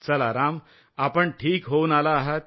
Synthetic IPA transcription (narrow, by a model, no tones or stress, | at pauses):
t͡səlaɾam | apəɳʈʰiːkɦounalaːɦət̪̚